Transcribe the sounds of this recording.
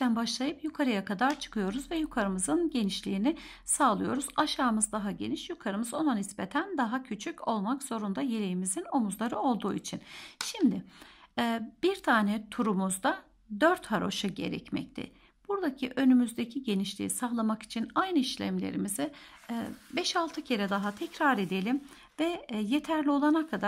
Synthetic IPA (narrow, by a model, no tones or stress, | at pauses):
ænbaʃlˠajɯpjukʰaɾɯjakʰad̪aɾt͡ʃʰɯ̥kʰɯjo̞ɾuzvɛjukʰaɾɯmɯzɯnɟe̞niʃlʲiːnɪ | saːlˠɯjo̞̰ɾuzaʃaːmɯzd̪aɦaɟe̞̰niʃjukʰaɾɯmɯzo̞nanispe̞t̪ʰænd̪aɦacʰyt͡ʃʰyco̞lˠmakzo̞ɾund̪ajelʲejimizino̞muzlˠaɾɯo̞lˠd̪uːit͡ʃʰinʃimd̪ɪ | b̥iɾt̪ʰaːnɛt̪ʰuɾumuzd̪a | d̪øɾt̪haɾo̞̰ʃɯɟe̞̰ɾɛ̰cmɛ̰c̚t̪ʰɪ̰ | b̥uɾd̪acʰiʔø̞nymyzd̪ecʰiɟe̞niʃlʲḭḭsaxlˠamaki̥t͡ʃʰinajnɯiʃlʲæ̰mlʲḛɾimizɪ | bɛʃalˠt̪ʰɯcʰe̞ɾɛd̪aɦat̪ʰɛcɾaɾe̞d̪e̞lʲim | vɛje̞t̪ʰæɾlʲio̞lˠanakʰad̪a